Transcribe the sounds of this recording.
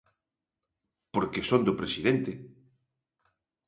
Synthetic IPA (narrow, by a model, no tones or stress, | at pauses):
poɾkesõnd̪opɾesiðent̪e